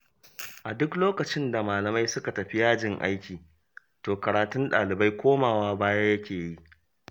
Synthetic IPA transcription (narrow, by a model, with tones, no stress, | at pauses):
ʔa˨dʊ˦kloː˦kɐ˨t͡ʃɪ˦nda˨maː˨lɐ˨ma˦jsʊ˦ka˨tɐ˨ɸi˦jaː˦d͡ʒɪ˦ŋʔa̰˦jkʲiː˨ | toː˨kɐ˨ɾaː˨tʊ˦nɗa̰ː˨lɪ˨ba˦jkʷoː˦maː˨waː˦baː˦ja˦jɐ˦kʲeː˨ji˦ʔ